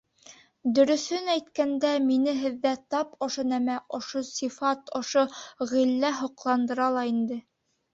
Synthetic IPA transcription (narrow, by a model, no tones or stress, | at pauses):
d̪ɵ̆ɾɵ̆θɵnæjt̪kænd̪æminɘɦɘ̆ðːæt̪ɑpŏʃonæmæʔŏʃosifɑt̪ŏʃoʁilːæɦŏqlˠɑnd̪ɤ̆ɾɑlˠɑind̪ɘ